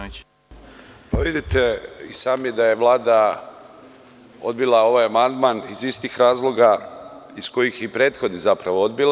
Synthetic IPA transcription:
paʋid̪it̪eḭsaːmjed̪aje̞ʋlˠaːd̪a | od̪bilˠao̞ʋajamand̪manizist̪ixɾaːzlˠo̞ɡaisko̞jixjeipɾe̞ːt̪xo̞d̪nizapɾaʋo̞od̪̚bil

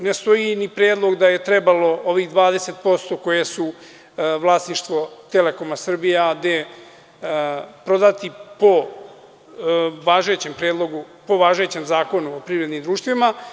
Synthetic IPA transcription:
nest̪o̞jinipɾeːd̪lˠo̞ɡd̪aje̞t̪ɾebalo̞oʋixd̪ʋaːd̪e̞se̞t̪̚po̞st̪o̞ko̞jesu | ʋlˠaːsniʃt̪ʋo̞t̪e̞leko̞masr̩bijad̪e | pɾod̪at̪ipo | ʋaːʒet͡ɕe̞mpɾeːd̪lˠo̞ɡu | po̞ʋaːʒujet͡ɕe̞mzaːko̞nuopɾivɾed̪nimd̪ɾuːʃt̪ʋima

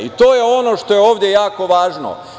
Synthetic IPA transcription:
it̪oːjeo̞noʃt̪o̞jeo̞ːʋd̪jejaːko̞ʋaːʒno̰

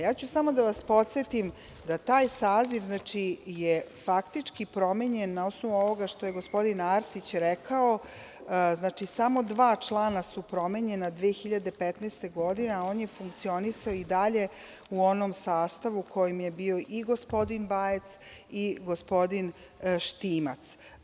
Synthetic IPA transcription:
jaːt͡ɕusamo̞d̪aʋaspo̞t̪set̪im | d̪at̪aːjsaːziʋznaːt͡ʂijefakt̪it͡ʂkipɾo̞meɲe̞nːao̞sno̞ʋuo̞ʋo̞ɡaʃt̪oje̞ɡospo̞d̪inaːɾsit͡ɕɾɛkao̞ | znaːt͡ʃisamo̞d̪ʋaːt͡ʂlˠaːnasupɾo̞me̞ɲe̞nad̪ʋeːxiʎad̪e̞pet̪nɛːst̪e̞ɡo̞d̪ineao̞ːnje̞fuŋkt̪sio̞nisaoid̪aʎe̞ | uo̞nomsaːst̪aʋukʰo̞jimje̞bio̞ʔiɡo̞spo̞d̪inbaːjet̪siɡo̞spo̞d̪in | ʃt̪iːma̰t̪s

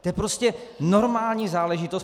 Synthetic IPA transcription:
t̪ojɛpɾoscɛno̞ɾmaːlɲiːzaːlɛʒɪt̪os

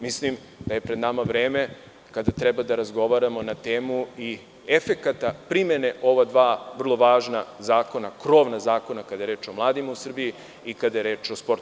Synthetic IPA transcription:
mislim | d̪̥aje̞pɾe̞d̪namaʋɾe̞ːme̞ | kad̪at̪ɾɛbad̪aɾazɡo̞ʋaɾamo̞nat̪eːmui | efe̞kat̪apɾimjene̞ʔo̞ʋad̪ʋaːʋr̩lˠo̞ʋaːʒnazaːko̞nakɾo̞ːʋnazaːko̞nakad̪ajeɾeːt͡ʃo̞mlˠaːd̪imausr̩biji | ikad̪ajeɾe̞ːt͡ʃospo̞ɾt̪u

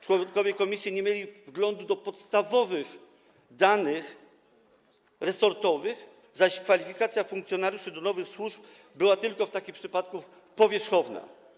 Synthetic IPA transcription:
t͡ʂwɔŋkɔvʲjɛkɔmʲisʲjiɲɛmʲjelʲivɡlɔnd̪ud̪ɔpɔt̪st̪avɔvɘx | d̪anɘx | ɾɛsɔɾt̪ɔvɘx | zaɕkfalʲifʲikat̪sʲjafuŋkt̪sʲjɔnaɾʲjuʂɘd̪ɔnɔvɘxswuʐp | bɘwat̪ɘlkɔft̪akʲimpʂɘpat̪ku | pɔvʲjɛʂxɔvna̰

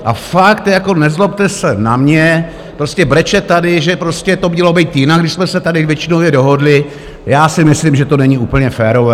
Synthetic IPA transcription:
ʔa̰fakt̪jako̞nɛzlop̚t̪ɛsɛnamɲɛ | pɾo̞scɛbɾɛt͡ʃɛt̪ːadɪʒɛpɾoscɛt̪o̞mɲɛlo̞bɛjt̪jɪnaɡdɪʃsmɛsɛt̪adɪvjɛt͡ʃɪnowvjɛdo̞ɦo̞dlɪ | jaːsɪmɪslimʒɛt̪o̞nɛɲiuːpl̩ɲɛfɛːɾo̞vɛː

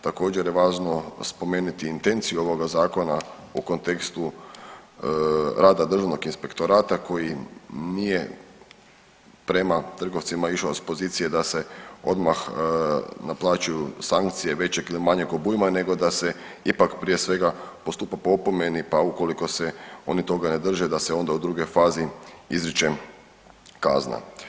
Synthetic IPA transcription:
t̪ako̞ːd͡ʑeɾjeʋaːʒno̞spo̞meːnut̪iːnt̪e̞nt̪sijuo̞ʋo̞ɡazaːko̞na | uko̞nt̪e̞kst̪u | ɾaːd̪ad̪ɾr̩ʒaʋno̞ɡinspe̞kt̪o̞ɾaːt̪ako̞jinije̞ | pɾe̞mat̪r̩ɡoʋt̪simaiʃaispo̞ziːt̪sije̞d̪ase̞o̞̰d̪max | naplˠaːt͡ʃujusaŋkt̪sije̞ʋe̞t͡ɕeɡilimaɲeɡobujimane̞ɡo̞d̪ase | ipakpɾije̞sʋe̞ɡapost̪upapo̞pomenipauko̞liko̞se̞o̞nit̪o̞ɡane̞d̪r̩ʒed̪aseo̞nd̪aud̪ɾuɡo̞jfaːziizɾit͡ʃe | kazna̰

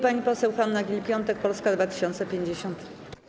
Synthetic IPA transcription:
paɲipɔsɛwxanːaɡʲilpʲjɔnt̪ɛkpɔlskad̪vat̪ɘ̥ɕɔnt̪sɛpʲjeɲd͡ʑeɕɔnt̪

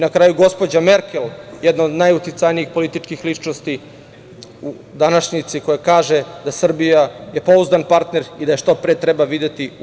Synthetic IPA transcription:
nakɾaːjuɡo̞spo̞d͡ʑame̞ɾkeljed̪noːd̪najut̪it̪sajniixpo̞lit̪it͡ʃkixlit͡ʃnost̪i | u | d̪anaʃɲit̪siko̞jekaːʒed̪asr̩bijaje̞po̞uzd̪anpaɾt̪ne̞ɾid̪aje̞ʃt̪o̞pɾet̪ɾebaʋid̪et̪i

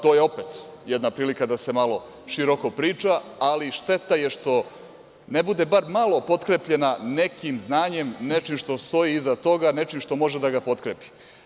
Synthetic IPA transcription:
t̪ojeo̞pet̪jɛd̪napɾiːlikad̪ase̞malo̞ | ʃiɾokopɾiːt͡ʃaːliʃt̪e̞t̪ajeʃt̪o̞ | nebud̪e̞baɾmalo̞po̞t̪kɾepʎe̞nane̞kimznaːɲe̞mne̞t͡ʃimʃt̪o̞st̪o̞jiːzat̪o̞ɡane̞t͡ʃimʃt̪o̞mo̞ʒed̪aɡapo̞t̪kɾepi̥

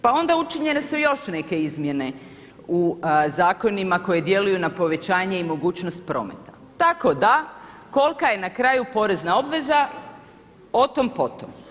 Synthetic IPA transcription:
pao̞nd̪aut͡ʃiɲe̞ne̞sujo̞ʃne̞ke̞izmje̞ne̞ | uzaːko̞nimako̞jed̪je̞lujunapo̞ʋe̞t͡ɕaːɲe̞imo̞ɡuːt͡ɕnost̪̚pɾo̞̰ːme̞t̪ḁ | t̪ako̞d̪a | ko̞lˠkaje̞nakɾajupo̞ɾe̞znao̞bʋe̞za | o̞t̪o̞mpo̞t̪om

